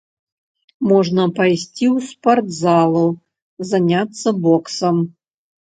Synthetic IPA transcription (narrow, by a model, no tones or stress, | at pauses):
mɔʐnəpɐjsʲtʲiusport̪zalˠu | zanʲat̪sːəbɔksɐm